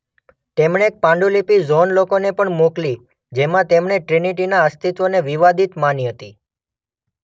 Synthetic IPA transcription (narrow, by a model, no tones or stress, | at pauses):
t̪emɳeek̚pãɳɖulipizonlokonepəɳmukli | d͡ʒemãt̪emɳeʈɾiniʈinaəst̪it̪ʋoneʋiʋad̪ʱit̪maniɦət̪i